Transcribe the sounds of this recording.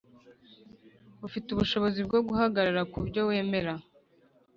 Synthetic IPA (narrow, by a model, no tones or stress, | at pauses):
βufituβuʃo̞βo̞zibɡo̞ɡuɦaɡaɾaɾakubɟo̞we̞ːme̞ɾa